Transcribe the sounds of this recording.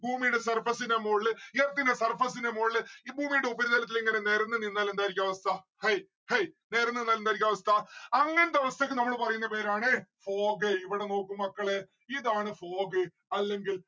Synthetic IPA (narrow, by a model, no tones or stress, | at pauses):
buːmijɽesɐrfɐsinɐmoːɭiɐrt̪ːinesɐrfɐsinɐmoːɭiːbʱuːmijuɽeubɐɾud̪ɐlɐt̪̬ːileŋːɐnene̞ːɾɐnːɨninːaːlend̪aːjiɾikʲːaʋɐst̪ʰɐ | hɐj | hejne̞ːɾɐnːenːalend̪aːiɾikʲːaɐʋɐst̪ʰɐɐŋːɐnd̪ɐʋɐst̪ekːɨnɐmːɐɭpɐrɐjunːɐpe̞ːɾaːɳɨfo̞ːɡɨiʋiɽe̞no̞ːkːumːɐkːɐɭe | iðaːɳɨfo̞ːɡɨ | ɐlːe̞ŋɡil